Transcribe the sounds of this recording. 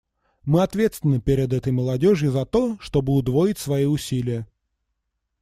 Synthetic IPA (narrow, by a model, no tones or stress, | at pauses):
mɨɐt̪vʲe̞t̪st̪vʲɪnːəpʲeɾʲɪd̪ɛt̪əjməlˠɐdʲoʐjɪzɐt̪o̞ʂt̪o̞bɨʊd̪vo̞jɪtʲsvɐiʊsʲilʲɪjə